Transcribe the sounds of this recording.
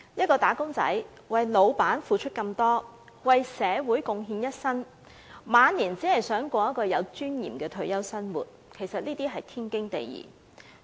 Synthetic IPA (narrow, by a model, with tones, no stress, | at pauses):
jɐ˥t̚kɔː˧t̪aː˨˥kʊ˥ŋt͡sɐ̰˨˥j | wɐ˨jlo˨˧wpaː˨˥nfuː˨˩t͡ʃʰɵ˥t̚kɐ˧mt̪ɔː˥ | wɐ˨jsɛː˨˧wuː˨˥jkʊ˨ŋɦiː˧njɐ˥t̚sɐ˥n | maː˨˧nliː˨˩nt͡siː˨˥hɐ˨˩jsœː˨˥ŋkʷɔː˧jɐ˥t̚kɔː˧jɐ˨˧wt͡ʃyː˥njiː˨˩mkɛː˧t̪ʰɵ˧ɥjɐ˥wsɐ˥nwṵː˨˩t̚ | kʰe˨˩jsɐ˨t̚liː˥t̪iː˥ɦɐ˨jt̪ʰiː˥nkɪ˥ŋt̪ḛ˨jjḭː˨˩